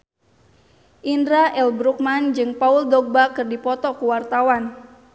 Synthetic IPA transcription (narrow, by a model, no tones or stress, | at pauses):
ʔindɾaʔɛlbɾuk̚mand͡ʒɨŋpauldɔɡ̚bakɨrdipɔt̪ɔkuwart̪awan